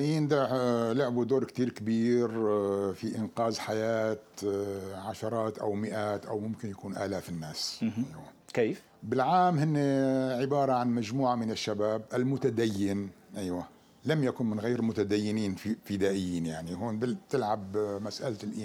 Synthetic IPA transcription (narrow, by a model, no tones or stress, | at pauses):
ʔiːnd̪alʊʕbud̪oːɾkt̪iːɾkabiːɾfiʔɪnqɑːzħajaːt̪ | ʕaʃɑɾˤɑːt̪ʔawmɪʔaːt̪ʔawmʊmkɪnjakuːnʔaːlaːfɪnːaːsʔajwa | kː | bɪlʕaːmhɪnːeʕɪbɑːɾˤɑʕanmad͡ʒmuːʕamɪnɪʃːabaːbʔɪlmʊt̪ad̪ajːɪn | ʔajwa | lamjakʊnmɪnɣeːɾmʊt̪ad̪ajːɪniːnfɪd̪aːʔɪjːiːnjaʕnihuːnbɪt̪ɪlʕabmasʔalt̪lʔiː